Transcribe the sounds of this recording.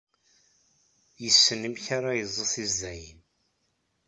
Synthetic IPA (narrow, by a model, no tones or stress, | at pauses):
jəsːənəmçaɾˤajəzˤːəθizːæjən